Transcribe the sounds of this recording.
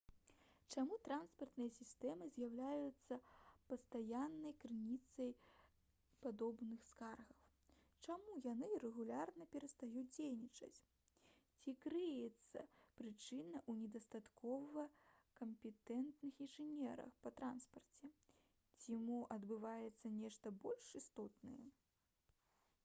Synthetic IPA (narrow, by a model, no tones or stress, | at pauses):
t͡ʂamut̪ɾanspɐrt̪nɨjɐsʲist̪ɛmɨzʲjawlʲajut̪sːɐpɐst̪ajanːɐjkɾɨnʲit̪sɐj | pad̪ɔbnɨxskarɣɐw | t͡ʂamujanɨɾɛɣulʲarnɐpʲɛɾɐst̪ajud͡zʲejnʲit͡ʂɐ̰t͡sʲ | t͡sʲikɾɨjɛt̪sːɐ̰pɾɨt͡ʂɨnɐʔunʲɛd̪ɐst̪at̪kʰɔvɐkɐmpʲɛt̪ɛnt̪nɨxinʐɨnʲɛɾɐ̰xpɐt̪ɾanspɐrt͡sʲɛ | t͡sʲiamuʔɐd̪bɨvajɛt̪sːɐnʲɛʂt̪ɐbɔlʲʂist̪ɔt̪nɐjɛ̰